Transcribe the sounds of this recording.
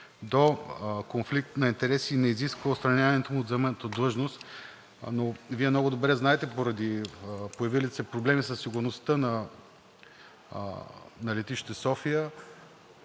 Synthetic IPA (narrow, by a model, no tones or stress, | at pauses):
d̪okonflik̚t̪nɐint̪ɛɾɛsinɛiziskvəost̪ɾɐnʲavnɛt̪omuːd̪zɐmɛnət̪əd̪lˠɤʒnost̪ | noviɛmnɔɡʊd̪obɾɛznaɛt̪ɛpoɾɐd̪ipojɐvilisɛpɾoblɛmisəsːiɡʊɾnost̪ənɐ | nɐlɛt̪iʃt̪i̥t̪ɛsɔfijə